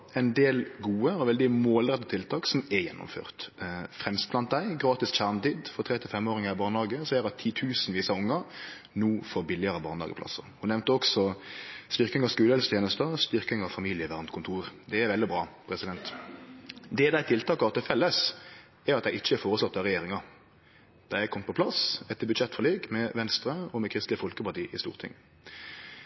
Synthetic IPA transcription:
ɛɪnd̪eːlɡuːəɔʋɛld̪ɪmoːlɾɛt̪ːət̪ʰɪlt̪ʰɑːksɔmɛjɛ̰nːʊ̰mfø̰ːʁt̪fɾɛmst̪̚blɑnt̪̚d̪æɪɡɾɑːt̪ɪsçæʁnt̪iːd̪fɔʁt̪ʰɾɛt̪ɪfɛmoːɾɪŋəæbɑːʁnɑːɡəsɔɛːɾɑt̪ʰiːt̪ʰʉːsn̩ʋiːsɑʊŋːə | nuːfɔɾbɪlːɪəɾəbɑ̰ːnlɑːɡəpʰlɑ̰sːə̰hʊnɛʋnt̪əɔksɔst̪ɪʁkɪŋɑskʉːləhɛlst̪ʰjeːnəst̪əst̪ɪʁkɪŋɑfɑmiːlɪəʋæʁnt̪kʰʊnt̪ʰuːɾd̪ɛːɾʋɛld̪ɪbʁɑːpʰʁɛsɪd̪ɛnt̪ | d̪ɛd̪æɪt̪ʰɪlt̪ʰɑːkɑt̪ɪlfɛlːəs | æɾɑt̪d̪æɪɪçːəɛɾfoːʁəslɔt̪ːɑʁɛjeːɾɪŋɑ | d̪̥æjæɪkɔmt̪pʰɔpʰlɑsɛt̪ːəbʉd̪ʃɛt̪ːfɔleːɡmɛʋɛnst̪ɾəɔmɛkʰɾɪst̪lɪəfɔlkəpɑʁt̪iːʔɪ̰st̪ṵːʁt̪ʰɪ̰ŋː

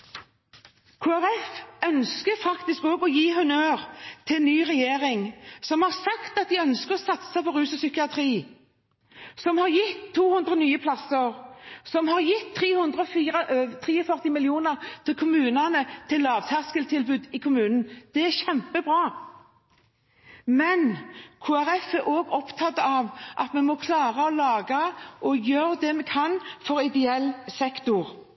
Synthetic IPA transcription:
kʰuæʁɛfœnskəfɑkt̪ɪskoːɡɔjiːɦʉnøːʁt̪ʰɪnyːʁɛjeːʁɪŋsɔmhɑʁsɑkt̪ɑt̪̚d̪ɪœnskəʁɔsɑt̪səpʰɔʁʉːsəsʏkɪɑt̪ʰʁiː | sɔmhɑʁjɪt̪ʰːuːhʉnd̪ʁənyːəpʰlɑsəʁsɔmhɑʁjɪt̪ʰːʁiːhʉnd̪ʁəɔfiːʁət̪ʰʁiːɔfœʁt̪ɪmɪljuːnəʁt̪ʰɪlkʰʊmʉːnɑnət̪ʰɪlːɑːʋt̪ʰæʁskəlt̪ʰɪlbʉːd̪ɪkʰʊmʉːnn̩d̪̥ɛæʁçɛmpəbʁɑː | mɛnkʰuːæɾɛfæɾʔoːɡɔpt̪ʰɑt̪ːəɑʋʔɑ̰t̪mɛmɔkʰlɑːʁəɔlɑːɡəʔɔjøːɾd̪ɛmɛkʰɑnfɔɾɪd̪ɛɛlːsɛkt̪ʊʁ

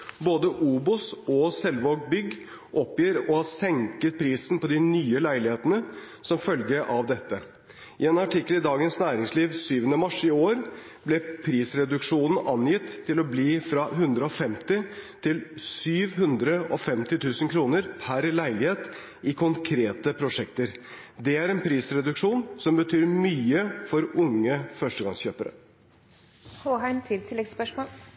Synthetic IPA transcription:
boːd̪əʔuːbʊsɔsɛlʋoːɡbʏɡː | ʔɔpjiːɾɔhɑsɛŋkət̪̚pʰɾiːsn̩pɔd̪ɪnyːəlæɪlɪheːt̪ənə | sɔmfœlɡəʔɑʋd̪ɛt̪ːə | ɪɛːnɑʈɪkːəlɪd̪ɑːɡənsnæːɾɪŋsliːʋsyːʋənəmɑʂɪoːɾ | b̥lɛpʰɾiːsɾɛd̪ʉkʂuːnn̩ʔɑnjɪt̪ʰːɪlɔbliːfɾɑɦʉnd̪ɾəɔfɛmt̪ɪt̪ʰɪlsyːʋhʉnd̪ɾəʔɔfɛmt̪ɪt̪ʰʉːsənkʰɾuːnəɾpʰæɾlæɪlɪheːt̪ | ɪkʰʊŋkʰɾeːt̪əpʰɾʊʂɛkt̪əɾ | d̪ɛæɾɛnpʰɾiːsɾɛd̪ʉkʂuːnsɔmbət̪ʰyːɾmyːəfɔɾʊŋːəfœʂʈəɡɑ̰ŋsçøːpəɾə̰ | hoːɦæɪmt̪ʰɪlt̪ʰɪlːɛɡspœʂmoːl

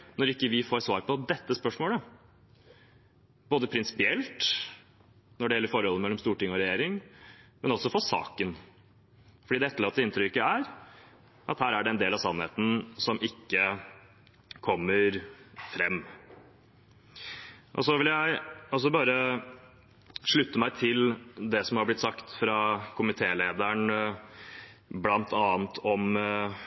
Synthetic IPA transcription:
nɔɾɪkːəʋɪfoːɾsʋɑːɾpʰɔd̪ɛt̪ːəspœʂmoːlə | b̥oːd̪əpʰɾɪnsɪ̥pɪɛlt̪ | nɔɖɛjɛlːəɾfɔɾhɔlːəmɛlːɔmst̪uːʈɪŋɔɾɛjeːɾɪŋmɛnɔsɔfɔsɑ̰ːkən | fɔɖid̪ɛɛt̪ːəɭɑːt̪ːəɪnt̪ɾʏɪkːəæɾ | ʔɑ̰t̪hæːɾæɖɛɛnd̪eːlɑʋsɑnːhḛːt̪n̩sɔmʔɪkːə | kʰɔmːəɾfɾɛmː | ʔɔ̰sɔʋɪljæɪɔs̬ɔbɑːɾə | ʂɭʉt̪ːəmæɪt̪ʰɪld̪ɛsɔmhɑɾblɪt̪sɑkt̪fɾɑkʰʊmɪt̪ʰeːleːd̪əɳ | blɑnt̪ʰɑːnt̪ʰɔm

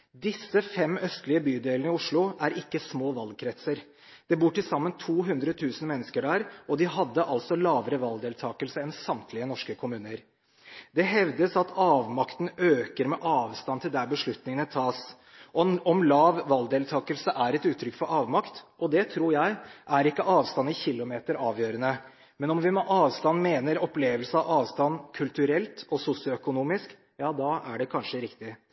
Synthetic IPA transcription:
d̪ɪsːəfɛmːœst̪lɪəbyːd̪eːlnəɪʊʂɭʊæɾɪkːəsmoːʋɑlkʰɾɛt̪səɾ | d̪̥ɛbuːʈɪsɑmːənt̪ʰuːɦʉnd̪ɾət̪ʰʉːsn̩mɛnːəskəɖæːɾʔɔd̪ɪɦɑd̪ːəʔɑlsɔlɑːʋəɾəʋɑld̪eːlt̪ʰɑːkəlsəɛnsɑmt̪ʰlɪənɔʂkəkʰʊmʉːnəɾ | d̪ɛɦɛʋd̪əsɑt̪ʰɑːʋmɑkt̪n̩øːkəɾmɛʔɑːʋst̪ɑnt̪ʰɪld̪æɾbəʂɭʉt̪nɪŋənət̪ʰɑːs | ɔɔmlɑːʋːɑld̪eːlt̪ʰɑːkəlsəʔæɾɛt̪ʉːt̪ʰːɾʏkfɔɾɑːʋmɑkt̪ʔɔd̪ɛt̪ʰɾuːɾjæɪʔæɾɪkːəʔɑːʋst̪ɑnːɪçɪlːʊmeːt̪əɾɑːʋjøːɾənə | mɛnɔmʋɪmɛʔɑːʋst̪ɑnːmeːnəɾɔpleːʋəlsəɑʋʔɑːʋst̪ɑnkʰʉlt̪ʉɾɛlt̪ɔsʊsɪʊœkʊnuːmɪsk | jɑːd̪ɑæɖɛkʰɑnʂəɾɪkt̪ɪ

